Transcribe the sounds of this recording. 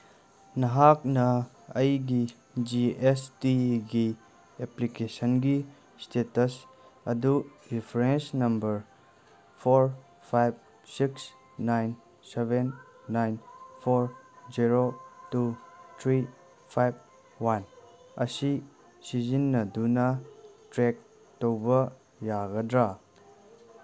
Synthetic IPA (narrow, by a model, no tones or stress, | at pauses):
nɐɦak̚nɐː | jɡi | d͡ʒiestiɡi | eplikesənɡi | stetɐs | ɐ̰duɾipʰɾensnɐmbəɾ | pʰoɾ | pʰajb̚ | siks | najn | sebenː | ajnpʰoɾziɾotut̪ʰɾi | pʰajb̚ | wan | ɐsi | sizinːɐdunɐtɾek̚ | towbɐ | jaɡɐdɾa